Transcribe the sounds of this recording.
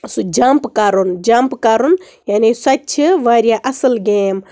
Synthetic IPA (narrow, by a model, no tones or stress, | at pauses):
sud͡ʒaːmpkaːɾund͡ʒaːmpkaːɾun | jaːnisɐt͡ʃʰɨʋaːɾjaʔɐsəlɡeːm